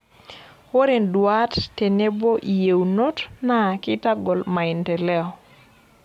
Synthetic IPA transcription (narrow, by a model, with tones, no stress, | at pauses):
wo˦ɾe˨ndwa˦tte˨ne˦bo˦ʔi˨je˨wuno˦tna˦˨kɪ˦ta˦ɡɔ˨lma˨ɪ˨ntɛ˨lɛ˦ɔ˨